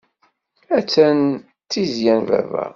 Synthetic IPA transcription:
æt͡sːæn | t̪ːizjænvæ̰væ̰

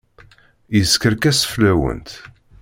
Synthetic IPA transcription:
jəskəɾkæsə̥flæwə̰nt̪

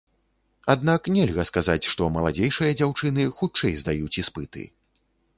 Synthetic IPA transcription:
ad̪naknʲɛlʲɣɐskazat͡sʲʂt̪ɔmɐlˠad͡zʲejʂɨjɐd͡zʲawt͡ʂɨn̪ɨxut͡ʂɛjzd̪ajut͡sʲispɨt̪ɨ̰

